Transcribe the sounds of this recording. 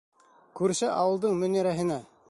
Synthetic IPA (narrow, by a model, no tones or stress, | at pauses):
kʉɾsɘʔɑwɤlˠd̪ɤɴmɵ̆næɾæɦɘ̆næ